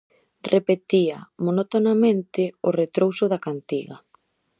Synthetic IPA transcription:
rʔepet̪iɐmonot̪onamẽnt̪ɪoret̪ɾowsʊðakant̪iɣɐ

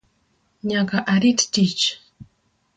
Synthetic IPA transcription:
ɲakaʔaɾit̪t̪it͡ʃ

